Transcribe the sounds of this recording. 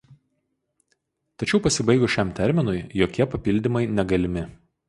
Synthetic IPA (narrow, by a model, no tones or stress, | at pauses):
t̪ɐt͡ʃʲɛʊpɐsʲɪbɐɪɡʊʃʲɛˑmt̪ʲɛɾʲmʲɪnʊɪjoːkʲiɛpɐpʲɪlʲd̪ʲɪmɐɪnʲɛɡɐlʲɪmʲɪ